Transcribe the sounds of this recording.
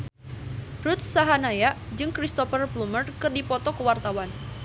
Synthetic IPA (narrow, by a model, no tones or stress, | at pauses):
ɾut̪̚saɦanajaʔd͡ʒɨŋkɾist̪ɔfərblumərkɨrdipɔt̪ɔkəwart̪awan